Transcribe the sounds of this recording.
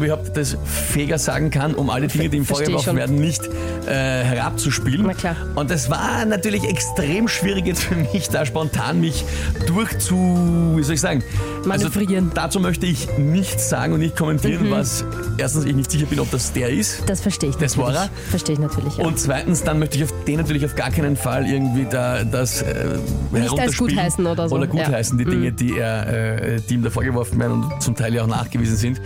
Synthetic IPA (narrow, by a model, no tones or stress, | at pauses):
bɪhʊp̚td̥as | feːɡɐza̰ːɡŋ̩kʰanʔʊ̰mʔa̰lədɪŋədiːmfoːɐɡəvʁɔxn̩veːɐdn̩nɪçt | ʔɛːhɛɐʁa̰p̚t͡suʃpiːlənnʰla | ʔʊnt̚d̥as̬va̰ːɐnatyːɐlɪçɛkstʁ̥eːmʃv̥iːʁɪkjɛt͡sfyːɐmɪçd̥aːʃpɔntʰa̰ːnmɪç | d̥ʊɐxt͡suviːzɔlɪçz̥aːɡŋ̩ | ʔalzovʁind̥at͡suːmœçtəɪçnɪçtsz̥a̰ːɡŋ̩ʊntnɪçt̚kʰɔmɛntiːʁənvas | ʔeɐstn̩sɪçnɪçtz̥ɪçɐbɪnɔp̚d̥asd̥eːɐɪstd̥asfɛɐʃteːɪçd̥eɐsoʁa | fɛɐʃteːɪçnatʰyːɐlɪçaʊ̃nt̚t͡sv̥aɪtn̩sd̥anmœçtəɪçɑʊfd̥eːnatyɐlɪçɑʊfɡ̥aːkʰæɪnənfalʔɪɐɡŋ̩tv̥iːdaːdasɛ̰hɛʁʊ̃tɐʃɡuːttːiːhaɪsn̩oːdɐʔoːdɐɡuːhaɪsn̩diːdɪŋədiːeːɐʔɛ̰ɛd̥iːmdafoːɐɡəvɔɐfn̩vḛːɐənʊ̰̃ntt͡sʊmtʰaɪljaʊxna̰ːχɡ̥əviːzn̩zɪnt